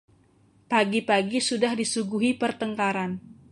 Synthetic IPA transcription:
paɡipaɡisudahdisuɡuɦipərt̪əŋkaɾan

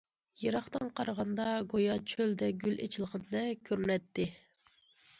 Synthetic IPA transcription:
jeɾɑχt̪ɑnqʰɑɾʁɑnd̪ɑɡojɑt͡ʃʰøld̪ɛɡʲylḛt͡ʃʰilˠʁɨnɨd̪ɛkʲʰøɾnɛt̪ʰːɪ

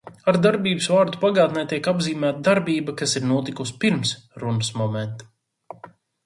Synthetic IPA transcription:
aɾd̪aɾbiːbɨsvaːɾd̪upaɡaːt̪nɛjt̪ʲiɛkabziːmæːt̪̚d̪aɾbiːbakasiɾnuɔt̪ikuspiɾmsɾunɨsmɔmɛnt̪

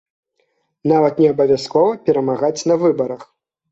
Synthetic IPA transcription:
navɐt̪nʲɛɐbɐvʲjaskɔvɐpʲɛɾɐmaɣat͡sʲnɐvɨbɐɾɐx

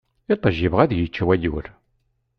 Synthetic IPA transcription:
it̪ˤːəʒːivʁæðjət͡ʃːwæjṵɾ

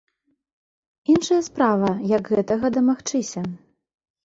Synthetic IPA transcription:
inʂɐjɐspɾavɐjɐɡɣɛt̪ɐɣɐd̪ɐmaxt͡ʂɨsʲɐ

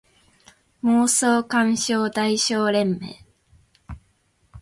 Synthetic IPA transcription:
moːsoːkãɰ̃ɕoːd̪aiɕoːɾẽ̞mːe̞̰ː

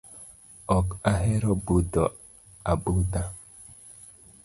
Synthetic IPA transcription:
ɔkaɦeɾɔbudɔ | aɓuda

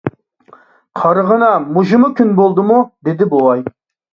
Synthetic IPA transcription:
qʰɑɾəʁənɑmuʒumʊkʲynbolˠd̪ɨmud̪ɪd̪ɪbowˠɑj

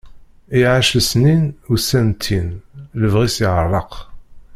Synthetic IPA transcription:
iʕaʃlsninusænt̪ʰːinləvʁisiʁərˤːəq

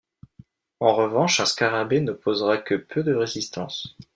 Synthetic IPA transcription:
ɑ̃ʁəvɑ̃ʃɛ̃skaʁabenəpʰozʁakəpʰød̪əʁezist̪ɑ̰̃s

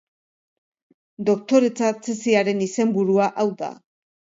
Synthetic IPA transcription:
d̪o̞k̚t̪o̞ɾe̞t͡sat͡se̞siaɾe̞nise̞mbuɾuaʔawða̰

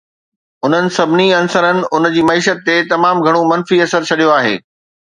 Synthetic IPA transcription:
ʊn̤ənɪ̆sɐbʱɪniɐnsəɾənɪ̆ʊnd͡ʑiːmɐiːʃət̪ːet̪ɐmaːmɡʱɐɽ̃omɐnfiɐsəɾt͡ɕʰɐɗijoaːɦḛː

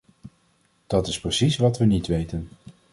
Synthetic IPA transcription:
d̥ɑtɪsprəsisʋɑtʋənitʋejtən

